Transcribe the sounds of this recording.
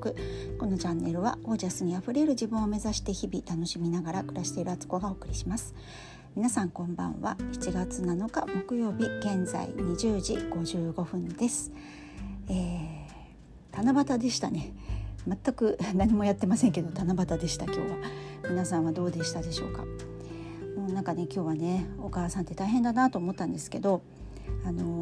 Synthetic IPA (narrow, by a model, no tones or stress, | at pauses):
kɯ̟ko̞no̞t͡ɕãnːe̞ɾɯ̟βa̰o̞ːʑasɨɲ̟iaɸɯ̟ɾe̞ɾɯ̟ʑibɯ̟̃ɰ̃o̞me̞zaɕi̥t̪e̞çibʲit̪ano̞ɕimʲinaɡaɾakɯ̟ɾaɕi̥t̪e̞iɾɯ̟at͡sɨ̥ko̞ɡao̞ːkɯ̟ɾʲiɕimasɨ̥ | mʲinasãŋkõ̞mbã̰ɰ̃βa̰çi̥t͡ɕiɡat͡sɨnano̞kamo̞kɯ̟jo̞ːbʲiɡ̥ẽ̞nza̰ḭɲ̟iʑɨːʑiɡ̥o̞ʑɨːɡo̞ɸɯ̟̃nd̪e̞sɨ̥ | eː | t̪anabat̪ad̪e̞ɕi̥t̪a̰ne̞mat̪ːakɯ̟naɲ̟imo̞jat̪ːe̞masẽ̞ŋke̞d̪o̞t̪anabat̪ad̪e̞ɕi̥t̪akʲo̞̰ːβamʲinasãɰ̃βad̪o̞ːd̪e̞ɕi̥t̪ad̪e̞ɕo̞ːka̰ | moːnãŋkane̞kʲo̞ːβane̞o̞kaːsãnt̪ːe̞t̪aiɦẽ̞nd̪anat̪oːmo̞t̪ːãnd̪e̞sɨ̥ke̞d̪o̞ | ano̞